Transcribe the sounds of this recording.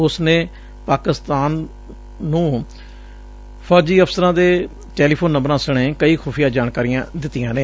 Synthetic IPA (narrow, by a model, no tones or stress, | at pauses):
ʊsneː | paːkɪst̪aːnː | ũː | pʰɔːd͡ʒiːəpʰsəɾãːd̪eː | ʈɛːliːpʰoːnːəmbɾãːsəɽ̃ẽːkəiːkʰuːpʰijaːd͡ʒaːɳkaːɾijãːd̪ɪt̪ːijãːneː